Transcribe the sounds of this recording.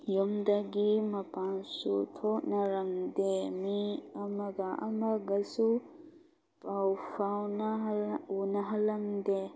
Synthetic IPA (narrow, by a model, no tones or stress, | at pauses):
jomd̪ɐɡimɐpansut̪ʰoʔnɐɾɐmd̪emiɐmɐɡaʔɐ̰mɐɡɐsu | pʼawpʰawnaunɐɦɐlɐmd̪e